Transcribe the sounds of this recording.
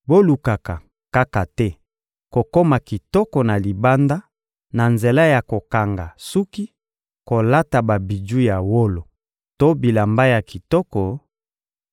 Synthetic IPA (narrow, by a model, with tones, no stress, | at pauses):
bo˦lu˨ka˨ka˨ | ka˦ka˨tɛ˦ | ko˨ko˦ma˨ki˨tɔ˦kɔ˨na˨li˨ba˦nda˦ | na˨nze˨la˦ja˨ko˨ka˨ŋɡa˨su˦ki˦ | ko˨la˦ta˨ba˨bi˨d͡ʒu˦ja˨wo˦lo˨ | to˦bi˨la˨mba˦ja˨ki˨tɔ˦kɔ˨